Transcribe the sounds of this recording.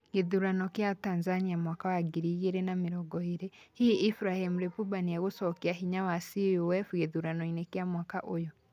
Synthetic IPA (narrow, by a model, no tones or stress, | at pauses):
ɡeðuɾanɔkjataːnzaniamwakawaɡiɾiɣeɾenamiɾɔɡɔeɾe | hiifɾahemuɾepubaniaɣosɔkiaɦiɲawasiowɛfuɣeðuɾanɔinekjamwakaʔojɔ